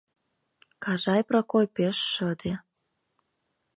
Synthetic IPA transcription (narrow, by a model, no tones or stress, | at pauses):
kɑʒɑjprokojpeʃːə̆d̪e